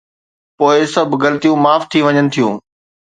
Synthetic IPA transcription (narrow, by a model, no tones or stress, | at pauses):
poːɪsɐbʱɡɐlət̪ijũmaːft̪ʰiʋɐɲənɪ̆t̪ʰijũː